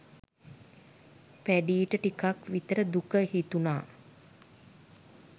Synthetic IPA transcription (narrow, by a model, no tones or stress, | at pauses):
pæɖiːʈəʈikakʋit̪əɾəd̪ukəhit̪unaː